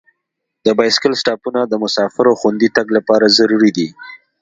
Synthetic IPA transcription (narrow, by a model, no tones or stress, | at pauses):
d̪əbɑjsɪ̥kɪlsʈɑpunad̪əmʊsɑfɪɾaxand̪it̪aɡlapɑɾazaɾuɾid̪i